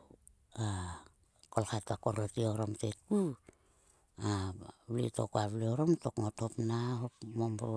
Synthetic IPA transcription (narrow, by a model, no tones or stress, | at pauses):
a | kolkatakoɾotioɾomtetu | aβlḭto̰koaβleoɾomtokŋothopnaɦopmomɾo